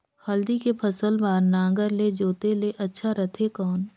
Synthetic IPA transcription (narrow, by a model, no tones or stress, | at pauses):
xɐld̪ikepʰɐsəlbaːɾnãːɡəɾled͡ʒoːt̪eleʔɐtːʃʰaɾɐt̪ʰekɔːn